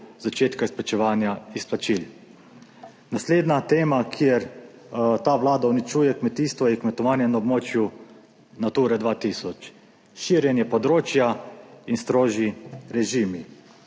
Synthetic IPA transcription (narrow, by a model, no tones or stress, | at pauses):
zat͡ʃeːt̪kaisplat͡ʃɛʋaːnjaisplat͡ʃil | nasleːd̪nat̪eːmakʰjeɾ | t̪aːʋlaːd̪aunit͡ʃuːjɛkmɛt̪iːst̪ʋɔikmɛt̪ɔʋaːnjɛnaɔbmoːt͡ʃju | nat̪uːɾɛd̪ʋaːt̪isɔt͡ʃ | ʃiːɾjɛnjɛpɔd̪ɾoːt͡ʃjainst̪ɾoːʒiɾɛʒiːmi